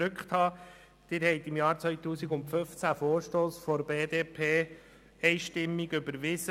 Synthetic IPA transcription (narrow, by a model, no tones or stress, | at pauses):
ʏkχt̪hɑː | d̪̥ɪːɾhɛɪt̪ɪmjɑːɾt͡sʋœʏt̪uːsiɡʊntfʏft͡sæfoːɾʃtoːsfɔɾbeːd̪eːpʰeː | ɛɪʃtɪmːiɡʏbəɾʋɪsə